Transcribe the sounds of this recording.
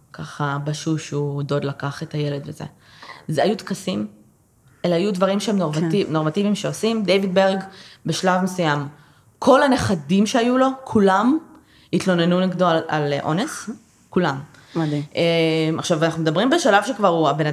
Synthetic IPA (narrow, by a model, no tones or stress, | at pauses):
kʰaχabaʃuʃudo̞d̪lakaχetaje̞led̪vezḛ | zeajut̪kasim | elajudvaʁimʃeemnaino̞ʁmativimʃeosimd̪ejvid̚beʁɡbe̞ʃlavme̞sujam | kʰo̞laneχadimʃeajulo̞kʰulam | it̪lo̞ne̞nuniɡdoalʔo̞̰nes | kulam | ʔemaχʃavanaχnumed̪ɐbʁimbeʃalavʃekvaʁuabe̞na